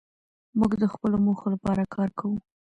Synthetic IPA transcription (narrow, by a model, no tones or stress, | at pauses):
muɡd̪əxpəlomoxolapɑɾakʰɑɾkʰawu